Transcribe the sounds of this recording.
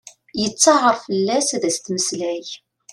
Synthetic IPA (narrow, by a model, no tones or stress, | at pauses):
jət͡sːɑʁəɾfəlːæsæðæst̪məslæç